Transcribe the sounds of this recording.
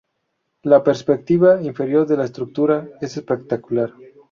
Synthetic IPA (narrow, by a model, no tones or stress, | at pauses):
lapeɾspek̚t̪iβaiɱfe̞ɾjo̞ɾðelaest̪ɾuk̚t̪uɾaesespek̚t̪akulaɾ